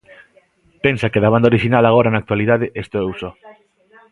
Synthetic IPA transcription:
pensakeðaβand̪aoɾiʃinalaɣ̞oɾanak̚t̪waliðaðeʔest̪oɛwsɔ

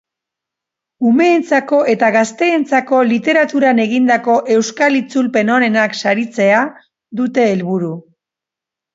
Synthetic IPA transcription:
ume̞ːnt͡sako̞ʔe̞t̪aɣast̪e̞ːnt͡sako̞lit̪e̞ɾat̪uɾane̞ɣind̪ako̞ʔe̞wskalit͡sulpe̞no̞ɾe̞naksaɾit͡se̞a | ðut̪e̞ːlβuɾu

